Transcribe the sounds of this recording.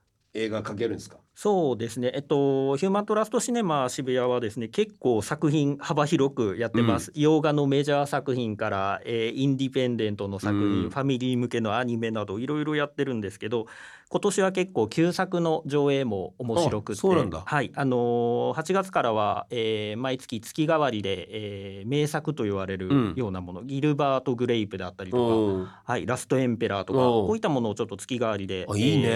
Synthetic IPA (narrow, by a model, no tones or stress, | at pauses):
eːɡakake̞ɾɯ̟̃neskḁ | so̞ːd̪e̞sɨne̞ʔːt̪ːo̞çɯːmãnt̪o̞ɾasɨ̥t̪o̞ɕine̞maɕibɯ̟jaβad̪e̞sɨne̞ke̞kːo̞ːsakɯ̟çĩɴ̃habaçiɾo̞kɯ̟jat̪ːe̞masɨ̥jo̞ːɡano̞me̞ʑaːsakɯ̟çĩŋkaɾa̰eːĩnd̪ipẽ̞nd̪ẽ̞nt̪o̞no̞sakɯ̟çĩɰ̃ɸamʲiɾʲiːmɯ̟ke̞no̞aɲ̟ime̞nad̪o̞iɾo̞iɾo̞jat̪ːe̞ɾɯ̟̃nd̪e̞sɨ̥ke̞d̪o̞ | ko̞t̪o̞ɕiβ̞ake̞kːo̞ːkʲɨːsakɯ̟no̞ʑo̞ːe̞ːmo̞ːmo̞ɕiɾo̞kɯ̟soːeãnd̪a̰haiano̞hat͡ɕiɡat͡sɨ̥kaɾaβ̞aeːmait͡sɨ̥kʲit͡sɨ̥kʲiɡaβ̞aɾʲid̪e̞eːme̞ːsakɯ̟t̪o̞iβ̞aɾe̞ɾɯ̟jo̞ːnamo̞no̞ɡʲiɾɯ̟baːt̪o̞ɡɯ̟ɾe̞ipɯ̟d̪eat̪ːaɾʲit̪okahaiɾasɨ̥t̪o̞ẽ̞mpe̞ɾat̪o̞kaoit̪ːamo̞no̞ːt͡ɕo̞t̪ːo̞t͡sɨ̥kʲiɡaβaɾʲid̪e̞iːne